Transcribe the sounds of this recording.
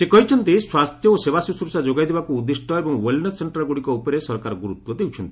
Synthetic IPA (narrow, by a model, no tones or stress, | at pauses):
sekɔɦit͡ʃʰɔnt̪iswast̪ʰjɔoseβasusɾusad͡ʒoɡajd̪ʱebakuːd̪ːisʈʰɔebɔŋwelnesseɳʈaɾɡuɽikɔupɔɾesɔɾkaɾɔɡuɾut̪wɔd̪ewt͡ʃʰɔnt̪i